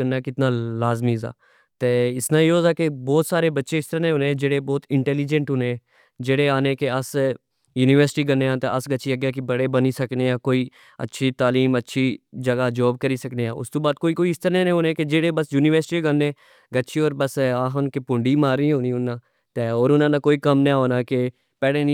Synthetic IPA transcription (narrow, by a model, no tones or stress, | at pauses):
ənːaːkɪt̪nãːlaːzmiːza̰ː | t̪eːɪsnãːoːzaːkebɔːt̪saːɾeːbətːʃeːɪst̪əɾnẽːɦoːnẽd͡ʒeːɽeːbɔːt̪ɪɳʈɛːliːd͡ʒə̃ɳʈɦʊnẽ | d͡ʒeːɽeːaːnẽːkeəs | juːniːʋəɾsɪʈiːɡənːeːãːt̪ḛːəsɡətːʃʰiːəɡjaːkebəɽeːbəniːsəkneːaːkoːiː | ə̰tːʃʰiːt̪aːliːmətːʃʰiːd͡ʒəɡaːd͡ʒɔːb̚kəɾiːsəkneːãːʊ̰st̪oːbaːd̪̚koːiːkoːiɪst̪əɾneːnẽɦoːnẽːked͡ʒeːɽeːbəsjuːniːʋəɾsɪʈiːɡənːeː | ɡəːʃʰiːɔːɾbəsaːɦnkepʊ̃ɳɖiːmaːɾĩːɦõːniːʊnːãː | t̪eːɔːɾʊnãːnãːkoːiːkəmneɦoːnaːke | pɛːɽeːnĩ